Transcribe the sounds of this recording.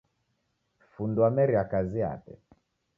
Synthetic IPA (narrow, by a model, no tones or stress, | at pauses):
fundwamɛɾiakazia̰tɛ̰